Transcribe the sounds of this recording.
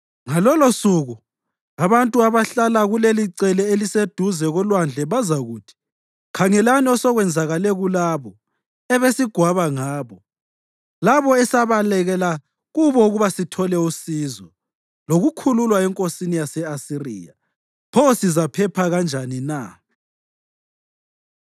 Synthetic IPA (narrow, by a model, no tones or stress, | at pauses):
ŋalɔlosuɣu | aβantʼuaβaɬalaɣuleliǀɛlɛelised̥ʱuzɛɣɔlwand͡ɮʱɛβazaɣuːtʰi̥ | kʰaŋɛlaniɔsɔɣwɛnd͡zʱaɣalɛɣulaβɔ | ɛβesiɡ̥ʱwaβaŋaːβɔ | laβɔɛsaβalɛɣɛla | ɣuβɔɣuβasitʰɔlɛusiːzɔ | loɣukʰululwaɛŋkʼosinijasɛasirḭːja̰ | pʰɔsizapʰɛpʰaɣand͡ʒʱanina̰